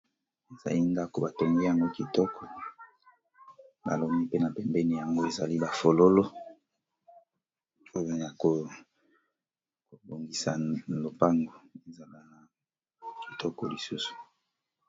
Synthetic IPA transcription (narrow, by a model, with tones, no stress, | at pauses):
e˨za̰˨li˦nda˦ko˨ba˨to˨ŋɡe˦ja˨ŋɡo˦ki˨tɔ˦kɔ˨ | ba̰˨lo˨mi˦pe˦na˨pɛ˨mbɛ˦ni˨ja˨ŋɡo˦e˨za˨li˦ba˨fo˨lo˦lo˦ | o˦o˦˨jo˨a˨ko˨ | ko˨bo˨ŋɡi˨sa˨lo˨pa˦ŋɡo˨e˨za˨la˦na˨ | ki˨tʰɔ˦kɔ˨li˨su˦su̥˨